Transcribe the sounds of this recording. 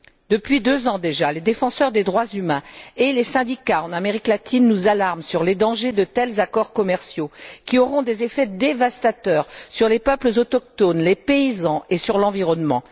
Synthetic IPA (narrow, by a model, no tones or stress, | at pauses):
d̪əpɥid̪øzɑ̃d̪eʒaled̪efɑ̃sœʁd̪ed̪ʁwazymɛ̃elesɛ̃d̪ikaɑ̃nameʁiklat̪inːuzalaʁmsyʁled̪ɑ̃ʒed̪ət̪ɛlzakɔʁkɔmɛʁsjokʲiɔʁɔ̃d̪ezefɛd̪evast̪at̪œʁsyʁlepœpləzɔt̪ɔk̚t̪onlepeizɑ̃esyʁlɑ̃viʁɔnmɑ̰̃